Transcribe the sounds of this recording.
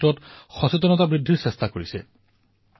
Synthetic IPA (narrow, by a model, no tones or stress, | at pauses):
ɔtxɔsutɔnɔtabɹidʱːiɹsɛstakoɹisɛ̰